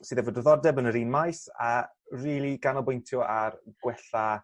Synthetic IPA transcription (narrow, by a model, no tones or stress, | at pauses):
siːðɛvoːdəðɔdɛbənəɾiːnmajsa̰ | riːlˠiɡ̥anɔlˠbʊjntʰjɔarɡ̥wɛɬa